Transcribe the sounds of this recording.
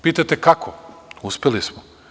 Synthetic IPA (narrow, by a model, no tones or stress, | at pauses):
piːt̪ajt̪ekakʰouspʲelismo